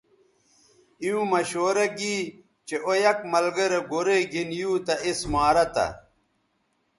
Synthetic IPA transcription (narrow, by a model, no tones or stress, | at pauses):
ijũːmɐɕoːɾɐɡiː | t͡ɕeʔojɐkmɐlɡɐɾɐɡoɾeɡinjuːt̪ɐʔismaːɾɐt̪ɐ̰